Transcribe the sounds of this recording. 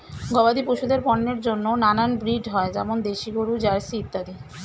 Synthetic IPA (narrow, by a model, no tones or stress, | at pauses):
ɡɔbad̪ipoʃud̪eɾpɔnːeɾd͡ʑonːonananbɾiɖɦɔed͡ʑɛmond̪eʃiɡoɽud͡ʑaɾsit̪ːad̪i